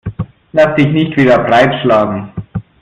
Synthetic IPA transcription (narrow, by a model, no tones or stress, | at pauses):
lasd̥ɪçnɪçtv̥iːdɐpʁaɪtʃlaːɡn̩